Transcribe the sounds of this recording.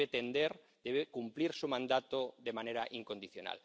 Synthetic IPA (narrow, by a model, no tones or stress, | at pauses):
et̪end̪eɾ | d̪̥eβekumpliɾsumãnd̪at̪oðe̞maneɾaʔiŋko̞nd̪iθjona̰l